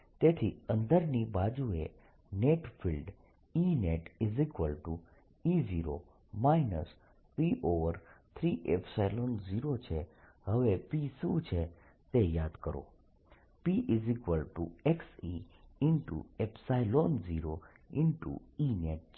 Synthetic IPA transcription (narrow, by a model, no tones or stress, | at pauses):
t̪et̪ʰiə̃nd̪əɾnibad͡ʒue | neʈfʰilɖ | ineʈizikʋəlʈu | iziɾo | mainəs | piʔoʋəɾt̪ʰɾiʔepʰsajlonziɾot͡ʃʰeɦəʋepisut͡ʃʰe | t̪ejad̪kəɾo̰ | piʔizikʋəlʈueksiɪnʈṵepsajlonziɾo | ɪɳʈṵineʈ̚t͡ʃ